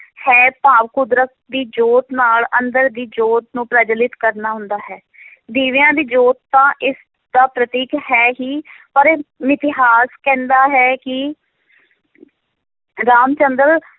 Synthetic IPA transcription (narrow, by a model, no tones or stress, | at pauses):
hɛːpaːʋkʊd̪ɾək̚d̪iːd͡ʒoːt̪naːlənd̪əɾd̪iːd͡ʒoːt̪̚nũːpɾəd͡ʒəlɪt̪kəɾnaːɦʊ̃nd̪aːɦɛː | d̪iːʋjãːd̪iːd͡ʒoːt̪̚t̪ːãːʔɪs | d̪̥aːpɾət̪iːkɦɛːɦiːpəɾmɪt̪ɪɦaːskɛ̃ːnd̪aːɦɛːkɪ | ɾaːmt͡ʃənd̪əɾ